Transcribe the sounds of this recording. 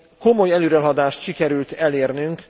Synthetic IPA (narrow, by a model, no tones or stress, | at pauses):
ko̞mo̞jɛløːɾɛlɦɒd̪aːʃt̪ʃikɛɾylt̪ɛleːrnyŋk